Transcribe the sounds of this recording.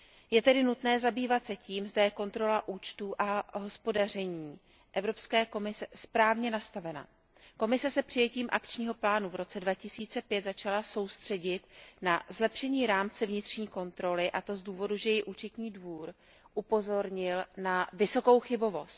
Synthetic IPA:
jɛt̪ɛdɪnut̪nɛːzabiːvat̪sɛciːmzdajɛko̞nt̪ɾo̞laʔuːt͡ʃt̪uːʔaɦo̞spo̞darɛɲiː | ʔɛvɾo̞pskɛːko̞mɪsɛspɾaːvɲɛnast̪avɛna̰ | ko̞mɪsɛsɛpr̝̥ɪjɛciːmʔakt͡ʃɲiːɦo̞plaːnuvɾo̞t͡sɛdvacɪsiːt͡sɛpjɛt̪zat͡ʃalaso̞wst̪r̝̥ɛɟɪt̪nazlɛpʃɛɲiːɾaːmt͡sɛvɲɪt̪r̝̥ɲiːko̞nt̪ɾo̞lɪʔat̪o̞zduːvo̞duʒɛjɪʔuːt͡ʃɛt̪ɲiːdvuːɾ | ʔupo̞zo̞ɾɲɪlnavɪso̞ko̞wxɪbo̞vo̞st̪̚

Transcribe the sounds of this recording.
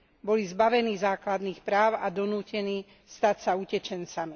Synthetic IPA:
bɔlizbaʋɛniːzaːklad̪niːxpɾaːʊad̪ɔnuːcɛniː | st̪acsaucɛt͡ʃɛnt͡sami

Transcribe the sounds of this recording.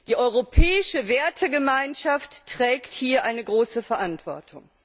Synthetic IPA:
d̥iːʔɔʏʁ̞opʰɛːɪʃəveːɐtʰəɡəmaɪnʃaftːʁ̥ɛːkthiːɐʔaɪnəɡʁoːsəfɛɐʔantv̥ɔɐtʰʊŋ

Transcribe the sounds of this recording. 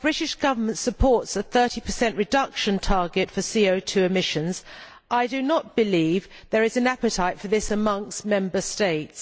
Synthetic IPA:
b̥ɹɪtɪʃɡ̥ʌvə˞mə̃ntsəpʰɔɹtsəθɜˑ˞ɾipʰəsɛ̃nʔɹɨdʌkʃə̃ntʰɑɹɡɪtfəsiəʊtʰʉɪmɪʃə̃nz | ʔaɪdɨnət̚b̥ɨliv | ðəɹɨzɨ̃næpɨtʰaɪtfə˞ðɪsəmʌ̃ŋstmɛ̃mbəsteɪts

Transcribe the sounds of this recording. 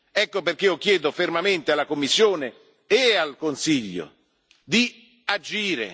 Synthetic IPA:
ɛkːoperk̟ːeɔkːjɛːd̪ofermament̪ealːakomːisːjoːneː | alkonsiʎːo̰ | d̪i | ad͡ʒiːɾḛ

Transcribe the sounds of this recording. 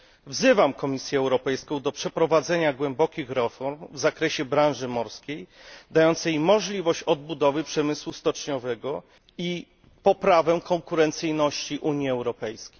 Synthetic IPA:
vzɘvamkɔmʲisʲjɛːwɾɔpɛjskɔ̃w̃d̪ɔpʂɛpɾɔvad̪zɛɲaɡwɛmbɔkʲixɾɛfɔɾmvzakɾɛɕɛbɾãnʐɘmɔɾskʲejd̪ajɔnt̪sɛjmɔʐlʲivɔɕt͡ɕɔd̪̚bud̪ɔvɘpʂɛmɘswust̪ɔt͡ʂɲɔvɛɡɔ | i | pɔpɾavɛkɔŋkuɾɛnt̪sɘjnɔɕt͡ɕiʔuɲjiɛwɾɔpɛjskʲe̥j

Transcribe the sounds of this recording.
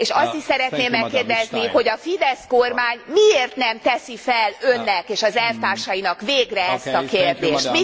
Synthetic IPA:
eːʃɒst̪iʃsɛɾɛt̪neːmːɛkːeːrd̪ɛzniho̞ɟɒfid̪ɛskormaːɲmieːrt̪nɛmt̪ɛsifɛlø̞nːɛkeːʃɒzɛlft̪aːrʃɒjinɒkveːɡrɛɛst̪ɒkeːrd̪eːʃt̪mi

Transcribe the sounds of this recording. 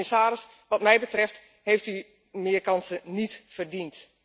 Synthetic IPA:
ɪsaːɾɪs | ʋɑtmɛjbətrɛft | hejfty | mɪərkɑnsənitfərdint

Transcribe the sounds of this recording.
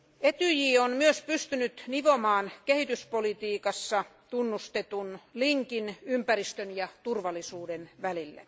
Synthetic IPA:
et̪yjiːonmyøspyst̪ynyt̪niʋomɑːnkehit̪yspolit̪iːkɑsːɑt̪unːust̪et̪unliŋkinympærist̪ønjɑt̪urʋɑlːˑisuːdenʋælilːæ̰

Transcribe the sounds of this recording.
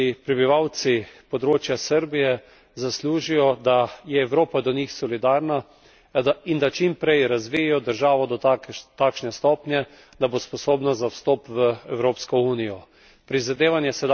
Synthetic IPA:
ipɾɛbiʋaw̪sipɔd̪ɾoːt͡ʃjasəɾbijɛ | zasluːʒijɔd̪ajɛːwɾoːpad̪ɔnixsɔlid̪aːɾna | aind̪at͡ʃimpɾɛjɾazʋiɛjɔd̪əɾʒaːʋɔd̪ɔt̪t̪akʃnɛst̪ɔːpnjɛ | d̪abospɔsoːbnazawst̪ɔːpʋəɛwɾoːpskɔuːnijɔ | pɾizad̪eːʋanjɛsɛd̪

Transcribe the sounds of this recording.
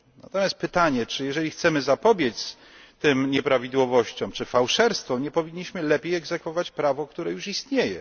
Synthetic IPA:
na̰t̪ɔmjast̪pɘt̪aɲɛt͡ʂɘjɛʐɛlʲixt̪sɛmɘzapɔbʲjet̪s | t̪ɘmɲɛpɾavʲid̪wɔvɔɕt͡ɕɔ̃mt͡ʂɘfawʂɛɾst̪fɔ̃mɲɛpɔvʲiɲːiɕmɘlɛpʲjejɛɡzɛkfɔvat͡ɕpɾavɔkt̪uɾɛjuʂist̪ɲejɛ̰

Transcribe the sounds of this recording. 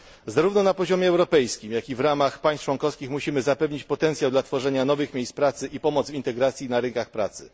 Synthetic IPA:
zaɾuvnɔnapɔʑɔmʲjɛɛwɾɔpɛjskʲimjakʲivɾamaxpaj̃s̚t͡ʂwɔŋkɔfskʲixmuɕimɘzapɛvɲit͡ɕpɔt̪ɛnt̪sjawd̪lat̪fɔʐɛɲanɔvɘxmʲejspɾat̪sɘʔipɔmɔd̪zvint̪ɛɡɾat̪sʲjinaɾɘŋkaxpɾa̰t̪sɘ̥̰

